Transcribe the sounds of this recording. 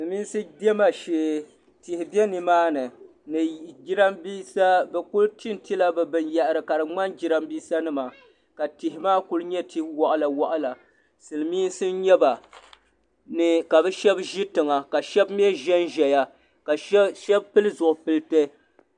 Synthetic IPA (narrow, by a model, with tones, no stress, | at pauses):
ɨ˨miː˦n˦sɨ˦dɛ˦ma˦ʃeː˨ | ti˨hɪ˨bɛ˦nɨ˨maː˦nɨ˨ | nɨ˨d͡ʒi˦ɾa˦mbiː˦sa˦bɛ˨ku˦lti˦n˦ti˦la˦bɛ˨bɨ˨nja˨ʔɨ˨ɾɨ˨ka˨ɾɨ˨ŋ͡ma˦nd͡ʒi˦ɾa˦mbiː˦sa˦nɨ˦ma˨ | ka˨ti˨hɪ˨maː˦ku˦lɲɛ˦ti˦hwɔ˨ʔa˨la˨wɔ˦ʔa˦la˨ | sɨ˨lmiː˦n˦sɨ˦ɲɛ˦ba˨ | nɨ˨ka˨bɛ˦ʃɛ˦bʒi˦tɨ˨ŋa˨ka˨ʃɛ˦bm˦ɛ˦ʒɛ˦nʒɛ˨ja˦ | ka˨˦ʃɛ˦bpɨ˦lɨ˦zʊ˨ʔʊ˨pɨ˦ltɛ˦